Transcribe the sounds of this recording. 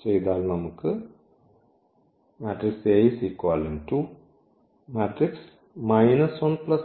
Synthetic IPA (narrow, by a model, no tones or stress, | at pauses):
t͡ʃejd̪aːlnɐmukɨ | maːʈɾiksejsikːʋaːlinʈu | maːʈɾiks | mɐjnɐsʋɐnplɐs